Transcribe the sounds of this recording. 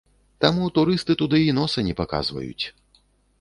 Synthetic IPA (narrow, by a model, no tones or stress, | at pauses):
t̪amut̪uɾɨst̪ɨt̪ud̪ɨinɔsɐnʲɛpaka̰zvɐ̰jṵt͡sʲ